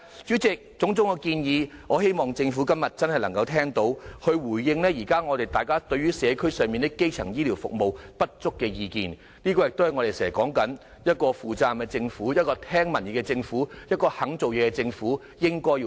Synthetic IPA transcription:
t͡ʃy˨˥t͡sɪ˨k̚t͡sʊ˨˥ŋt͡sʊ˨˥ŋɐ˧kiː˧njiː˨˧ŋɔː˨˧he˥jmɔː˨ŋt͡sɪ˧ŋfu˨˥kɐ˥mjɐ˨t̚t͡sɐ˥nhɐ˨jlɐ˨˩ŋkɐ˧wt̪ʰɛː˥ŋt̪o˨˥whɵ˧wuː˨˩jːɪ˧ŋlɛː˥jiː˨˩kaː˥ŋɔː˨˧t̪e˨jt̪aː˨jkaː˥t̪ɵ˧ɥyː˥sɛː˨˧kʰɵ˥ɥsœː˨ŋmiː˨nt̪ɪ˥kːe˥jt͡sʰɐ˨˩ŋjiː˥liː˨˩wfʊ̰˨k̚mo˨wpɐ˥t̚t͡sʊ˥kːɛː˧jiː˧kḭː˨n | liː˥kɔː˧jɪ˨k̚t̪o˥hjŋɔː˨˧te˨jsɛː˨˩˨kɔː˨˥ŋkɐ˨˥n | jɐ˥t̚kɔː˧fuː˨˩t͡saː˧mkɛ˧t͡sɪ˧ŋfuː˨˥jɐ˥t̚kɔː˧t̪ʰɛː˥ŋmɐ˨˩njiː˨˧kɛ˧t͡sɪ˧ŋfuː˨˥jɐ˥t̚kɔː˧hɐ˨˥ŋt͡so˨wjɛː˨˧kɛ˧t͡sɪ˧ŋfuː˨˥ | jɪ˥ŋkɔː˥ji˧

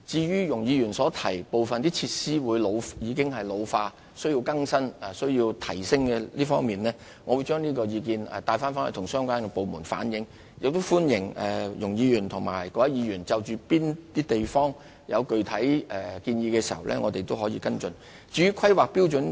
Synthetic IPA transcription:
t͡siː˧jyː˥jʊ˨˩ŋjiː˨˧ɥyː˨˩nsɔː˨˥t̪ʰɐ˨˩jpo˨wfɐ˨nt̪iː˥t͡sʰiː˧t̚siː˥wuː˨˧jlo˨˧wjiː˨˧kɪ˥ŋɦɐ˨jlo˨˧wfaː˧ | sɵ˥ɥjiː˧wkɐ˥ŋsɐ˥na˨˩sɵ˥ɥjiː˧wt̪ʰɐ˨˩jsɪ˥ŋkɛ˧liː˥fɔː˥ŋmiː˨nlɛː˥ | ŋɔ˨˧wu˨˧jt͡ʃœː˥ŋniː˥kɔː˧jiː˨˧k̬iː˧nɛ̰˨t̪aː˧jfaː˥nfaː˥nhɐ˨t̪ʰʊ˨˩ŋsœː˥ŋkʷaː˥nkɛ˧po˨wmuː˨˩nfa̰ː˨˥njɪ˨˥ŋ | jɪ˨k̚t̪o˥wfuː˥njɪ˨˩ŋɛ˨jʊ˨˩ŋjiː˨˧jyː˨˩nt̪ʰʊ˨˩ŋma̰ː˨˩jkɔː˨˧jɐ˦˥jiː˨˧jyː˨˩nt͡sɐ˨wt͡ʃyː˨piː˥nt̪iː˥t̪e˨jfɔː˥ŋ | jɐ˨˧wkɵ˨˩ɥt̪ʰɐ˨˥jɛ˨˩kiː˧njiː˧kɛː˧siː˨˩hɐ̰˨wlʔɛ̰˥ŋɔː˨˧t̪e˨jt̪o˥whɔː˨˥jiː˧kɐ˥nt͡ʃɵ˧n | t͡siː˧ɥyː˥kʰɐ˥jwaː˨k̚pi˥wt͡sɵ˨˥n

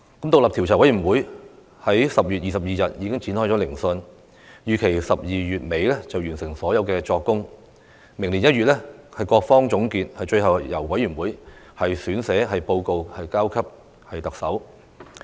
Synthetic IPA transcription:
kɐ˨˥mt̪ʊ˨k̚lɐ˨p̚t̪ʰi˨˩wt͡sʰaː˨˩wɐ˨˥jɥyː˨˩nwuː˨˥j | hɐ˨˥jsɐ˨p̚jyː˨t̚jiː˨sɐ˨p̚jiː˨sɐ˨t̚jiː˨˧kɪ˥ŋt͡sʰiː˨˥nhɔː˥jt͡sɔː˨˥lɪ˨˩ŋsɵ˧n | jyː˨˩kʰe˨˩jsɐ˨p̚jiː˨ɥyː˨t̚me˨˧jlɛ˥t͡sɐ˨wjyː˨˩nsɪ˨˩ŋsɔː˨˥jɐ˨˧wkɛː˧t͡sɔː˧kːʊ˥ŋ | mɪ˨˩ŋli˨˩njɐ˥t̚ɥyː˨t̚lɛː˥hɐ˨jkɔː˧k̚fɔː˥ŋt͡sʊ˨˥ŋkiː˧t̚hɐ˨jt͡ʃɵ˧ɥhɐ˨wjɐ˨˩wwɐ˨˥jy˨˩nwuː˨˥j | hɐ˨jsyː˨˥nsɛː˨˥ɦɐ˨jpo˧wko˧whɐ˨jkaː˥wkʰɐ˥p̚ | hɐ˨jt̪ɐ˨k̚sɐ˨˥w

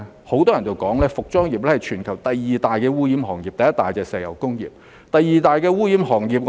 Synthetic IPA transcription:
ho˨˥wt̪ɔː˥jɐ˨˩nt͡so˨wkɔː˨˥ŋlɛː˥fʊ˨k̚t͡sɔː˥ŋjiː˨p̚lɛː˥hɐ˨˩jt͡ʃʰyː˨˩nkʰɐ˨˩wt̪ɐ˨jːiː˨t̪aː˨jkɛː˧wuː˥jiː˨˥mhɔː˨˩ŋjiː˨˩ɐ˨jɐ˥t̪aː˨jt͡sɛː˨˧ksɛː˨˧jɐ̰˨˩wkʊ˥ŋjḭː˨p̚ | t̪ɐ˨jːiː˨t̪aː˨˧jkɛː˧wuː˥ji˨˥mɦɔː˨˩ŋjiː˨˩p̚ŋ

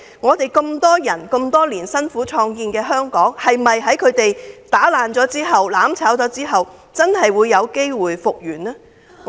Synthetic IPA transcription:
ŋɔː˨˧t̪e˨jkɵ˧mt̪ɔː˥jɐ˨˩nkɵ˧mt̪ɔː˥liː˨˩nsɐ˥nfuː˨˥t͡ʃʰɔː˧ŋkiː˧nkɛː˧ɦœː˥ŋkɔː˨˥ŋhɐ˨jmɐ˨jɦɐ˨˥jkʰɵ˨˧t̪e˨jt̪aː˨˥laː˨nt͡sɔː˨˥t͡siː˥ɦɐ˨wlaː˨˥mt͡sʰaː˨˥wt͡sɔː˨˥t͡siː˥ɦɐ˨w | t͡sɐ˥nhɐ˨jwuː˨˧jːɐ˨˧wke˥jwuː˨jfʊ˨k̚jyː˨˩naː˥

